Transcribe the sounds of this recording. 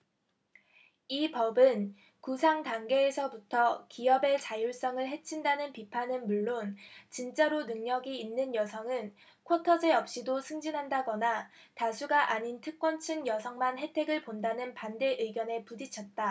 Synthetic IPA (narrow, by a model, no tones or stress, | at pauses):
ipʌbɯn | kusʰaŋtaŋɡe̞ːsʰʌbutʰʌkiʌbe̞t͡ɕajoɭs͈ʌŋɯɭɦe̞t͡ɕʰindanɯnpipʰanɯnmuɭːont͡ɕint͡ɕ͈aɾonɯŋɲʌɡiːnːɯnjʌsʰʌŋɯn | kʰotʰʌd͡ʑe̞ʌp̚ɕ͈idosʰɯŋd͡ʑinɦandaɡʌna | tasʰuɡaʔaɲintʰɯk̚k͈wʌnt͡ɕʰɯŋjʌsʰʌŋmanɦe̞tʰe̞ɡɯɭpondanɯnpande̞ʔɯiɡjʌne̞pudit͡ɕʰʌt̚t͈a